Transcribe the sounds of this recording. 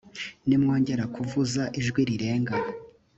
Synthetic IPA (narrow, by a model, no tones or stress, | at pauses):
nimŋo̞ːɲɟe̞ɾakuvuzaʔiʒɡwiɾiɾe̞ːŋɡa